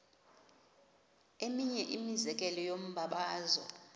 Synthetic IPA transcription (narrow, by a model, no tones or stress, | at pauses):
emiɲɛʔimizɛk̬ʼɛlɔjom̩ɓʱaɓaːzɔ̰